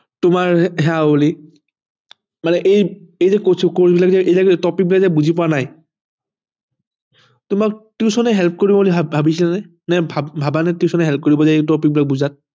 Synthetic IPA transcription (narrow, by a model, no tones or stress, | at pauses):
tʊmaɹɦɛaoli | manɛʔejejzɛkosʰukoɹbilakzɛʔejlaktɔpik̚bilakzɛbuzipɔwanaj | tʊmak̚tiʊsɔnɛɦɛlp̚ʰkoɹibɔolibʱabisilanɛ | nɛbʱabʱabanɛtiʊsɔnɛɦɛlp̚ʰkoɹibɔzaetɔpik̚bilak̚buzat̚